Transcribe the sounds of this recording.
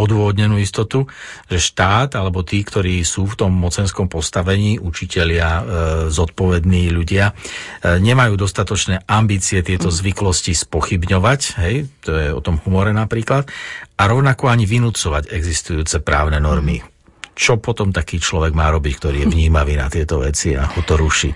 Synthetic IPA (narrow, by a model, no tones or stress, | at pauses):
ɔd̪ʊɔʋɔd̪ɲɛnuːist̪ɔt̪uʒ̥ɛʃt̪aːt̪alɛbɔt̪iːkt̪ɔɾiːsuːft̪ɔmːɔt͡sɛnskɔmpɔst̪aʋɛɲiːʔut͡ʃicɛʎɪazɔt̪̚pɔʋɛd̪niːʎuɟɪa | ɲɛmajuːd̪ɔst̪at̪ɔt͡ʃnɛːʔambiːt͡siɛt̪ɪɛt̪ɔzʋiklɔscispɔxibɲɔʋacɦɛjt̪ɔjɛɔ̰t̪ɔmɦumɔɾɛnapɾiːklat̪aɾɔʊnakɔaɲiʋinut͡sɔʋaɟɛɡzist̪ujuːt͡sɛpɾaːʊnɛnɔɾmḭ | t͡ʃɔpɔt̪ɔmt̪akiːt͡ʃlɔʋɛɡmaːɾɔbick̚t̪ɔɾiːjɛʋɲiːmaʋiːna̰t̪ɪɛt̪ɔʋɛt͡sia̰hɔt̪ɔɾuʃḭ